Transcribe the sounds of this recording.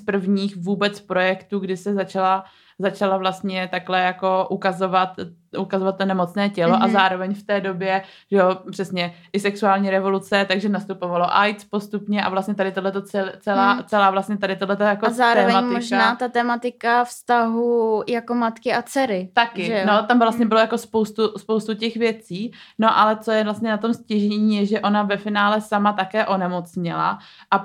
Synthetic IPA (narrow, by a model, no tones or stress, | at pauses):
spr̩vɲiːxvuːbɛt͡spɾo̞jɛkt̪uːɡdɪsɛzat͡ʃala | zat͡ʃalavlast̪ɲɛt̪aklɛjako̞ʔukazo̞vat̪ukazovat̪t̪ːo̞nɛmo̞t͡snɛːcɛlo̞ʔazaːɾo̞vɛɲft̪ɛːdo̞bjɛ | ʒ̥ɛopr̥ɛsɲɛʔɪsɛksuaːlɲiːɾɛvo̞lut͡sɛt̪aɡʒɛnast̪upo̞valo̞ʔajt͡spo̞st̪upɲɛʔa̰vlast̪ɲɛt̪adɪt̪odlɛt̪o̞t͡sɛlt͡sɛlaːt͡sɛlaːvlast̪ɲɛt̪adɪt̪odlɛt̪ajakozaːɾoːvɛmaɲtmɪoʒnaːt̪at̪ɛːmat̪ɪkafst̪aɦujakomat̪kɪat͡sɛɾɪt̪akɪʒɛnot̪amvlast̪ɲɛbɪlojako̞spo̞wst̪uspowst̪ucɛxvjɛt͡siːno̞ʔalɛt͡sojɛvlast̪ɲɛnat̪o̞mscɪʒɛɲiːjɛʒɛʔo̞navɛfɪnaːlɛsamat̪akɛːʔo̞nɛmo̞t͡sɲɪla̰ʔa